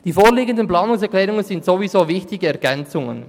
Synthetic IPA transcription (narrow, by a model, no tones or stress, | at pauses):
d̥iːfoːʁliːɡəndənpl̥aːnʊŋsɛɐklɛːʁʊŋənzɪntsoːvizoːvɪçtɪɡəɛɐɡ̥ɛnt͡sʊŋə̰n